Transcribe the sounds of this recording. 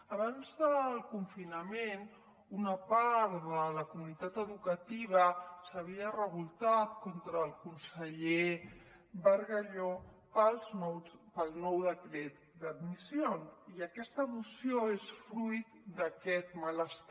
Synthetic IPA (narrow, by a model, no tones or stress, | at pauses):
əβanzðəlˠkuɱfinəmen | unəpaɾðələkumunit̪at̪əðukət̪iβ̞əsəβ̞iərəβulˠt̪at̪̚kont̪ɾəːlˠkunsəʎe | bəɾɣəʎo | pəlˠznɔwt͡spəlˠnɔwðəkɾɛt̪̚d̪əd̪misioniəkɛst̪əmusioesfɾujt̪d̪əkɛt̪̚mələst̪